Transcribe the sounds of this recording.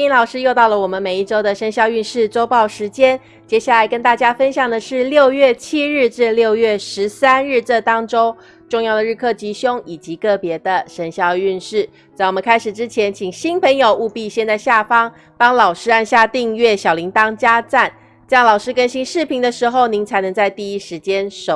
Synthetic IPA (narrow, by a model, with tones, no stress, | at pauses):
i˧˥nlɑ˨˩ʊʂɻ̩˥jo˥˧ʊt̪ɑ˥˩ʊlə˨˩wɔ˨˩mə˦nme˨˩ɪi˥˩ʈ͡ʂo˥ʊd̪ə˨ʂə˧˥nɕjɑ˥˧ʊy˥˧nʂɻ̩˥˩ʈ͡ʂo˥ʊpɑ˥˩ʊʂɻ̩˧˥t͡ɕjɛ˥n | t͡ɕjɛ˥ɕja˥˩la˧˥ɪkə˥nt̪a˥˩t͡ɕja˥fə˥nɕjɑ˨˩ŋd̪ə˩ʂɻ̩˥˧ljo˥˧ʊɥɛ˥˩t͡ɕʰi˥ɻɻ̩˥˧ʈ͡ʂɻ̩˥˧ljo˥˧ʊɥɛ˥˩ʂɻ̩˧˦˥sa˦˥nɻ̩˥˧ʈ͡ʂə˥˩t̪ɑ˥ŋʈ͡ʂo˥ʊ | ʈ͡ʂʊ˥˧ŋjɑ˥˩d̪ə˩ɻ̩˥˧˩kʰɤ˥˩t͡ɕi˧˥ɕjʊ˥ŋi˨˩t͡ɕi˧˥kɤ˥˩pjɛ˧˥d̪ə˧ʂə˧˥nɕjɑ˥˧ʊy˥˧nʂɻ̩˥˩ | t͡sa˥˩wo˨˩mə̃˦nkʰa˥ɪʂɻ̩˨˩ʈ͡ʂɻ̩˥t͡ɕʰjɛ˧˥nt͡ɕʰi˨˩ŋɕi˥npʰə˧˥ŋjo˨ʊʔu˥˧pi˥˧ɕjɛ˥˧nt͡sa˥˧ɪɕja˥˨fɑ˥ŋ | pɑ˥ŋlɑ˨˩ʊʂɻ̩˥a˥˧nɕja˥˧t̪i˥˧ŋɥɛ˥˩ɕjɑ˨˩ʊli˧˥ŋt̪ɑ˥ŋt͡ɕja˥t͡sa˥˩n | t͡ɕjɑ˥˩ŋlɑ˨˩ʊʂɻ̩˥kə˥nɕi˥nʂɻ̩˥˩pʰi˧˥ŋd̪ə˧ʂɻ̩˧˥xo˥˧ʊni˧˥ŋt͡sʰa˧˥ɪnɤ˧˥ŋt͡sa˥˧ɪt̪i˥˩i˥ʂɻ̩˧˥t͡ɕjɛ˥nʂo˨˩